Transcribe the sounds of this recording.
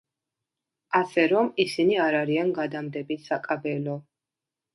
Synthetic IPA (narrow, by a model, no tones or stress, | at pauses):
asɛɾɔmisiniaɾaɾianɡad̪amd̪ɛbisakʼabɛlɔ